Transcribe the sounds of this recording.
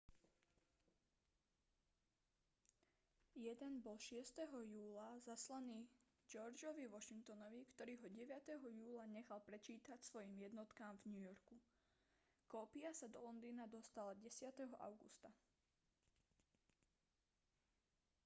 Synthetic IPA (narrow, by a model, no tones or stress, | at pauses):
jɛd̪ɛnbɔlʃɪɛst̪ɛɦɔjuːlazaslaniː | d͡ʒɔɾd͡ʒɔʋiʋɔʃiŋkt̪ɔnɔʋikt̪ɔɾiːɦɔɟɛʋɪat̪ɛɦɔjuːlaɲɛxalpɾɛt͡ʃiːt̪acsʋɔjiːmjɛd̪nɔt̪kaːmvɲujɔɾku | kɔːpiasad̪ɔlɔnd̪iːnad̪ɔst̪alaɟɛsɪat̪ɛɦɔʔa̰ʊɡṵst̪a